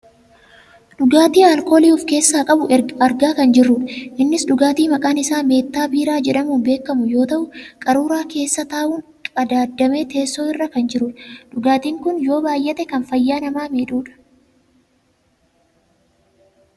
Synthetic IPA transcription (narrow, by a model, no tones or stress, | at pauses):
ɗʊɡaːt̪iːɐlko̞ːliːʊfke̞ːsːaːkʼɐbʊɐɾɡaːkɐnd͡ʒɪrːʊᶑɐʔɪnːɪsᶑʊɡaːt̪iːmɐkʼaːnɪsaːme̞ːt̪ːaːbiːɾaːd͡ʒɛᶑɐmuːnbe̞ːkːɐmʊjo̞ːt̪ɐʔʊkʼɐɾuːɾaːke̞ːsːɐt̪aːʔuːn | ɐd̪aːd̪ːɐme̞ːt̪e̞ːsːoːɪrːɐkɐnd͡ʒɪɾʊᶑɐᶑʊɡaːt̪iːŋkʊnjo̞ːbaːjːɛt̪ɛkɐnfɐjːaːnɐmaːmeːᶑuːᶑɐ̥